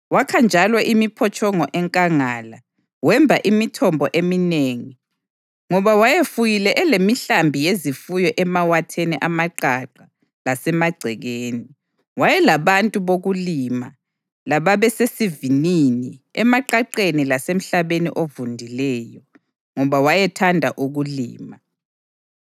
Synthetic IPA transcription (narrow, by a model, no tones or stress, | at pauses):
wakʰand͡ʒʱalɔʔimipʰɔt͡ʃʰʼɔŋɔʔɛŋkʼaŋaːla | wɛmbʱaʔimitʰɔmbʱɔʔemineːŋi | ŋɔβawajefujilɛʔɛlemiɬambʱijezifujɔʔɛmawatʰeniʔamaǃaǃa | lasɛmaɡ͡ǀʱɛɣeːni | wajɛlaβantʼuβoɣulima̰ | laβaβɛsesivininiɛmaǃaǃenilasem̩ɬaβenḭʔovundʱilɛːjɔ | ŋɔβawajɛtʰandʱaʔuɣuliːma